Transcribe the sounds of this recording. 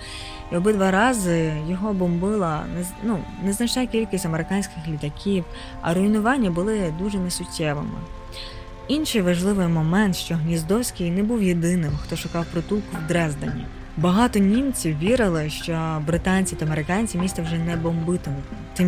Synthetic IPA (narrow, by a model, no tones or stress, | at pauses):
iɔbɪd̪ʋɑɾɑzɪjɔɦɔbɔmbɪlˠɐnɛnunɛznɐt͡ʃnɛkʲilʲkʲɪsʲtʲɐmeɾɪkɑnʲsʲkʲɪxlʲit̪ɐkʲiw | ɐ̰ɾʊinʊʋɑnʲːɐbʊlˠɪd̪uʒɛnɛsʊtʲːɛʋɪ̰mɪ̰ | inʃɪjʋɐʒlˠɪʋɪjmɔmɛnt̪ʃt͡ʃɔɦnʲizd̪ɔwsʲkʲɪjnɛbuwjed̪ɪnɪmxt̪ɔʃʊkɑwpɾɔt̪ulkʊwd̪ɾɛzd̪ɐnʲːḭ | bɐɦɑt̪ɔnʲimt͡sʲiwːʲiɾɪlˠɪʃt͡ʃɔbɾɪt̪ɑnʲt͡sʲit̪ɐmeɾɪkɑnʲt͡sʲimʲist̪ɐwʒɛnɛbɔmbɪt̪ɔmt̪ɪm